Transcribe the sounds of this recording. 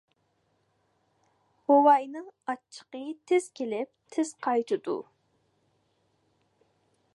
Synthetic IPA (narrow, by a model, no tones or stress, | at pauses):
howɑjnɨŋɑt͡ʃʰːə̥qət̪ʰɪz̥kʲelɪp̚t̪ʰɪz̥qʰɑjt̪ʰɨd̪ṵ